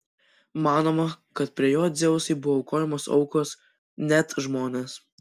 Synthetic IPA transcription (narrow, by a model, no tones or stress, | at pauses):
mɑːnoːmɐkɐt̪̚pʲɾʲiɛjoːd̪zʲɛʋʊsɐɪbʊʋoʊkoːjɛmoːsɒ̰ʊkoːs | nʲæt̪ʒmoːnʲeːs